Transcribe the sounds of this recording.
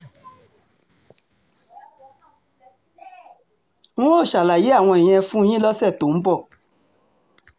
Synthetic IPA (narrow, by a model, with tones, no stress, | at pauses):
nũ˦o˦˨ʃa˨la˨je˦a˦˨w̃ɔ̃˧e˨j̃ɛ̃˧˦fũ˦jĩ˦lɔ˦sɛ˦˨to˨m̩˦bɔ˦˨